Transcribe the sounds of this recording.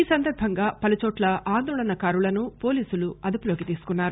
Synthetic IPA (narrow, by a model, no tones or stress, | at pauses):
iːsɐnd̪ɐɾbʱɐŋɡaːpɐlut͡ʃɔːʈlɐʔaːnd̪ɔːɭɐnɐkaːɾulɐnupo̞ːliːsuluɐd̪ɐpulo̞ːkit̪iːsu̥kunːaːɾu